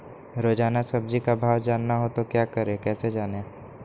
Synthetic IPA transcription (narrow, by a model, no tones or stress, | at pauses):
ɾoːd͡ʒaːnasɐb̚d͡ʒikabʱaːʋd͡ʒaːnːaɦot̪okjaːkəɾekɛːsed͡ʒaːne